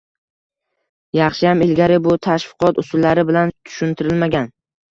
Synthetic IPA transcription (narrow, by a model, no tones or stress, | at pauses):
jɑχʃɪhamɪlɡʲaɾɪbʊt̪ʰaʃfɨqʰɒt̪ʊsʊlːaɾɪbɪlant̪ʰʊ̥ʃʊnt̪ʰɪɾɪlmaɡʲan